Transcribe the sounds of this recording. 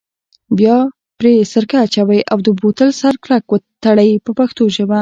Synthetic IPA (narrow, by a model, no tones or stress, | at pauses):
bjɑ | pɾesəɾkaːt͡ʃawajʔawd̪əbot̪əlsaɾklakwət̪aɽajpəpaxt̪oʒəma